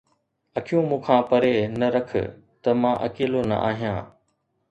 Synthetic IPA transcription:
ɐkʰijũmũːkʰãːpɐɾenɐɾɐkʰə̰ | t̪ɐmãːʔɐ̰keːlonɐ̰ʔa̰ːɦijãː

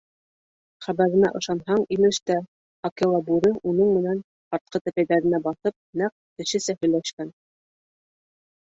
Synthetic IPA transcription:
χæβæɾɘ̆næ̰ʔɤ̆ʃɑnɦɑɴimɘ̆ʃt̪æ | ɑkelˠɑbuɾɤʔunɤɴmɘ̆næn | ɑɾt̪̚qɤt̪æpæjðæɾɘ̆næbɑθɤp̚næq̚t̪ɘ̆ʃɘ̆sæhɵ̆jlæʃkæn

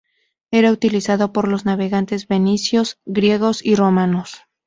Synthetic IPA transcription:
e̞ɾaut̪ilisaðo̞po̞ɾlo̞znaβe̞ɣant̪e̞zbe̞nisjo̞sɡɾje̞ɣo̞siro̞mãno̞s

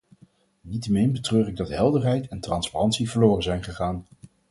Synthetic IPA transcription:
nitəmɪnbətrøːrɪɡ̚dɑtɦɛlˠdəɹɦɛjtɛntrɑnsparɑntsivəɹloːrənzɛjnχəχaːn

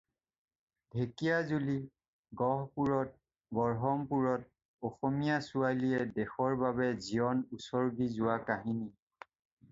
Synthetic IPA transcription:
bʱekijazuli | ɡɔɦpuɹɔt̚ | bɔɹɦɔmpuɹɔt̚ | ɔxɔmijasualiɛdɛxɔɹbaβɛziɔnusɔɹɡizʊwakaɦini

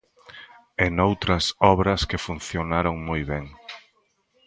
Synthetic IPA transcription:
enowt̪ɾɐsɔβɾɐskɪfun̟θjonaɾoŋmojβɛŋ

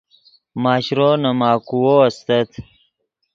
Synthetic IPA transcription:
maːɕɾoːnɐmaːkuwoːɐst̪ɐt̪ʰ

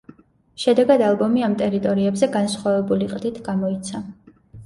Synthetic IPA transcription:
ʃɛd̪ɛɡad̪alˠbɔmiamt̪ʼɛɾit̪ʼɔɾiɛbzɛɡansχwavɛbuliqʼd̪it̪ʰɡamɔit̪sʰa

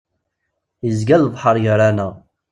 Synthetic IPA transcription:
əzɡælːəvħəɾˤjəɾˤænəʁ

